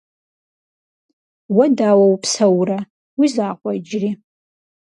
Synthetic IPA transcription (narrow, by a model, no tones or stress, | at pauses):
wadawawpʰsawra | wizaːqʷʼaid͡ʒri